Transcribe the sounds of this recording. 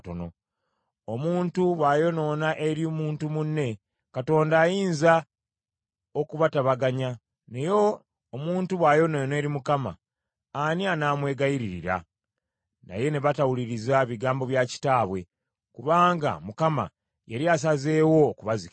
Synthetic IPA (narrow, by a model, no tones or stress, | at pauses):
tono̞ | omuːntuβwajo̞no̞ːnaʔe̞ɾiomuːntumunːe̞ | kato̞ːndaːjiːnza | okuβataβaɡaɲa | nejoː | muːntuβwaːjo̞nojne̞ːɾimukama̰ː | nianaːmwe̞ːɡajiɾiɾḭɾa̰ | na̰je̞ne̞βatawuliɾizaβiɡaːmbo̞βjaci̥taːβwe̞ | kuβaːŋɡa̰mukama̰ | jeɾias̬aze̞ːwo̞ːkuβazik